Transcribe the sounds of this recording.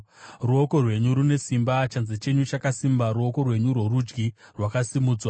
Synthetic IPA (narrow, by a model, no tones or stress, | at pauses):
ruo̞ko̞rwe̞ɲuɾune̞simbat͡ʃanzet͡ʃe̞ɲut͡ʃakasimbaɾuo̞ko̞rwe̞ɲurwo̞rud͡ʒɡirwakasimuːd͡zwa